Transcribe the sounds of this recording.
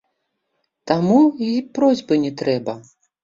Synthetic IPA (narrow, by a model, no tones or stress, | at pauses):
t̪amuipɾɔzʲbɨnʲɛt̪ɾɛbɐ